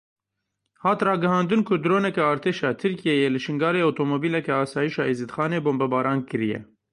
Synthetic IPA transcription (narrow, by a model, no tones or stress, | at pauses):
hɑːt̪rɑːɡɨhɑːnd̪ɨnkʰʊd̪ɾoːnɛkɛɑːɾt̪ʰeːʃɑːt̪ʰɨɾkijejeːlɨʃɨŋɡɑːɾeːot̪ʰomoːbiːlɛkɛɑːsɑːjiʃɑːezɨd̪xɑːneːboːmbɛbɑːɾɑːnkɨɾijɛ̰